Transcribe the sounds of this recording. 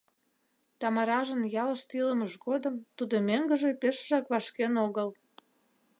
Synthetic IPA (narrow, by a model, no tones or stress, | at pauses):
t̪ɑmɑɾɑʒənjɑləʃt̪ilə̆məʃɣod̪əmt̪ud̪omeŋɡə̆ʒepeʃʒɑkβɑʃkenoɣəl